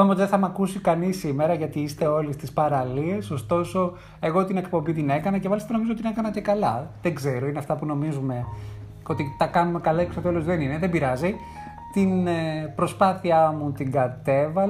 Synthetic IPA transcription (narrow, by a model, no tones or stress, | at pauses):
ɐmozðeθɐmɐkusikɐnisimeɾɐʝɐt̪iist̪e̞o̞list̪ispɐɾɐlie̞so̞st̪o̞so̞ | e̞ɣo̞t̪ine̞kpo̞mbit̪ine̞kɐnɐce̞mɐlist̪ɐno̞mizot̪ine̞kɐnɐce̞kɐlɐðe̞ŋɡze̞ɾo̞ineɐft̪ɐpuno̞mizume̞ | o̞t̪it̪ɐkɐnume̞kɐlɐiksot̪elozðe̞nineðe̞biɾɐzi | t̪inpɾo̞spɐθiɐmut̪iŋɡɐt̪e̞vɐ